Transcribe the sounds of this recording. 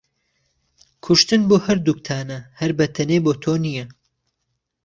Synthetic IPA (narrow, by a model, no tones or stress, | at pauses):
kʰʊʃt̪ɨnboːhɐɾd̪uk̚t̪ʰaːnɐhɐɾbɐt̪ʰɐneːboːt̪ʰoːnijɐ